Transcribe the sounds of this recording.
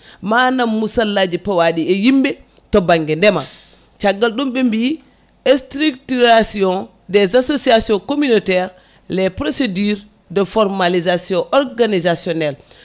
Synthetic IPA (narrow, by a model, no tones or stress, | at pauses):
manamːusalːad͡ʒipawaɗiejimbɛ | tɔbaŋɡɛndɛma | t͡ʃaɡːalɗumɓɛmbi | ɛstɾuktuɾasiɔ̃n | dɛzasosiasiɔ̃ŋkominɔtɛɾ | lɛpɾosediɾ | dɛfɔɾmalizasiɔ̃ʔɔɾɡanizasiɔnɛl